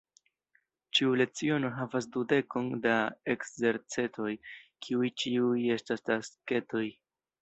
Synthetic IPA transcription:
t͡ʃiule̞t͡sio̞no̞ɦavas̬dude̞ko̞ndae̞kze̞ɾt͡se̞to̞jkʰiujt͡ʃiuje̞stastaske̞to̞j

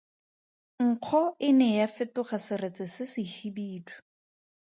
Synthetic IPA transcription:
ŋ̩q͡χʰɔɪnɛjafɪtʊχasɪret͡sɪsɪsɪhibiːtʰʊ̥

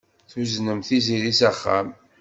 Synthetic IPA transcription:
θwznəmθiziɾisæχːæ̰m

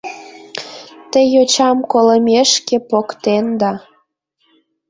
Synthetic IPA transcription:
t̪əjot͡ɕɑmkoləmʲeʃkepokt̪end̪ɑ

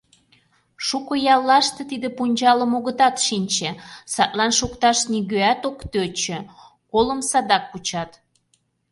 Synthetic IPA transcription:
ʃukojɑlˠːɑʃt̪ĕt̪id̪ĕpunʲd͡ʑɑləmoɣət̪ɑt̪ʃinʲt͡ɕesɑt̪lɑnʃukt̪ɑʃniɣøæt̪okt̪øt͡ɕĕ | koləmsɑd̪ɑkːut͡ɕɑt̪

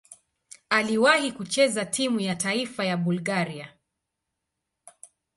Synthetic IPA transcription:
aliwahikut͡ʃɛzatʰimujataifajaɓulɡaɾia

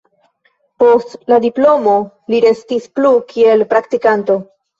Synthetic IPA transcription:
po̞stladiplo̞mo̞ | liɾe̞stisplukʰie̞lpɾaktikanto̞

